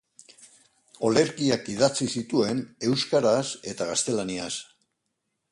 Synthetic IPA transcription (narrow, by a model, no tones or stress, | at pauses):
o̞le̞ɾkiakið̞at͡sisit̪ue̞ne̞wskaɾase̞t̪aɣast̪e̞lanias